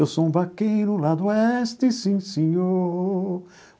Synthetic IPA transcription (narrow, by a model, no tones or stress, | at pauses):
ewsoũbakejnʊlad̪ʊɛst̪ɪsĩsĩɲo